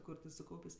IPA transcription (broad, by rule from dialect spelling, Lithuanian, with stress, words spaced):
ˈkʊr tʲɪ sʊˈkɐʊpʲeːsʲ